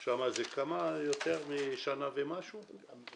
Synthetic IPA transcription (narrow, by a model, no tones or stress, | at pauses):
ʃamazekamajot̪eʁmiʃanavemaʃu